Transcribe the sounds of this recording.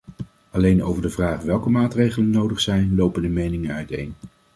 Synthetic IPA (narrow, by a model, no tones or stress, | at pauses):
ɑlejno̰wvəɹdəvraːχʋɛlˠkəmaːtrejχələnːowdəχsɛjnlowpəndəmejnɪŋənœɥtḛjn